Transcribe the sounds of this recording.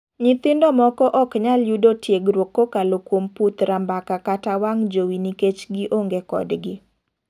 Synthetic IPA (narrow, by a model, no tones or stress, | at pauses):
ɲit̪ɪndɔmɔkɔʔɔkɲaljudotjeɡɾwokːokalokwomput̪ɾambakakatawaŋd͡ʒowiniket͡ʃɡiʔoŋɡekɔ̰dɡɪ